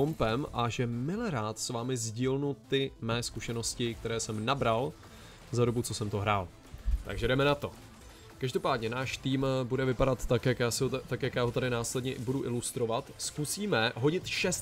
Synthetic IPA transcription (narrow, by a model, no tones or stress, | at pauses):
ompɛmʔaʒɛmɪlɛɾaːt̪svaːmɪzɟiːlnut̪ɪmɛːskuʃɛno̞scɪk̚t̪ɛɾɛːsɛmnabɾal | zado̞but͡so̞sɛmt̪oɦɾaːl | t̪a̰ɡʒɛdɛmɛnat̪o̞ | kaʒdo̞paːdɲɛnaːʃt̪iːmbudɛvɪpadat̪ːakjakjaːsɪot̪akjakjaːɦo̞t̪adɪnaːslɛdɲɛʔɪbuduʔɪlust̪ɾo̞vat̪skusiːmɛɦo̞ɟɪt̪ʃɛst̪